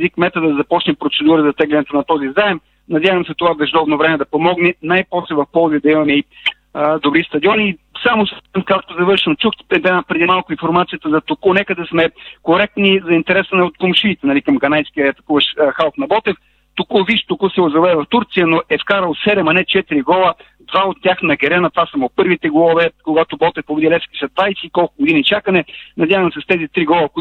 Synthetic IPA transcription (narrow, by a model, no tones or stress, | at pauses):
zikmɛt̪ɐd̪ɐd̪ɐzɐpɔt͡ʃnɛpɾot̪sɛd̪uɾəzɐt̪ɛɡlʲɛnɛt̪onɐt̪ɔzizaɛm | nɐd̪ʲjavɐmsɛt̪ovabɛʒd̪ɔbnovɾɛmɛd̪ɐpomɔɡnɛnajpɔslɛvɐfpɔlˠziəd̪ɐimɐmɛi | d̪obɾist̪ɐd̪ʲiɔniː | samosmkak̚t̪ozɐvɤɾʃɐmt͡ʃuxɛd̪ɛnapɾɛd̪imalˠkʊinfoɾmat̪sijət̪əzɐt̪okunɛkəd̪ɛsmɛkoɾɛk̚t̪nizɐint̪ɛɾɛsənɛot̪̚komʃit̪ɛnɐlikɐmɡɐnajskʲiəɐt̪ɐkuvɐʃxalˠfnɐbɔt̪ɛf | t̪okuviʃt̪okusɛʊzɐlɛvɐft̪uɾt̪sijənoʔɛfkaɾəlˠsɛɾɛmɐnɛt͡ʃɛt̪iɾiɡɔlˠə | d̪vaot̪ːʲaxnɐɡɛɾɛnɐt̪vasɐmopɤɾvit̪ɛɡlˠɔvɛkoɡat̪obɔt̪ɛfpobɛd̪ilɛskʲi̥sɐd̪vajsɛikɔlˠkʊɡʊd̪init͡ʃakənɛnɐd̪ʲjavəmsɛst̪ɛzit̪ɾiɡɔlˠək